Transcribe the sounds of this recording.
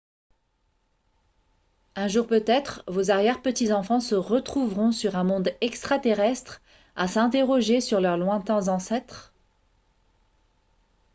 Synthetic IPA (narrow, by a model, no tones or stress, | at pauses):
ɛ̃ʒuʁpøt̪ɛt̪χvozaʁjɛʁpət̪izɑ̃fɑ̃səʁət̪χuvʁɔ̃syʁɛ̃mɔ̃d̪ɛkst̪χat̪eʁɛst̪χ | asɛ̃t̪eʁɔʒesyʁlœʁlwɛ̃t̪ɛ̃zɑ̃sɛt̪χ